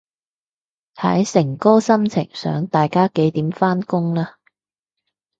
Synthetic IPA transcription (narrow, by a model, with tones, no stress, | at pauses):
hɐ̰˨˥jsɪ˨˩ŋkɔː˥sɐ˥mt͡sʰɪ̰˨˩ŋsœ̰ː˨˥ŋt̪aː˨jkaː˥ke˨˥jt̪iː˨˥mfaː˥nkʊ˥ŋlaː˥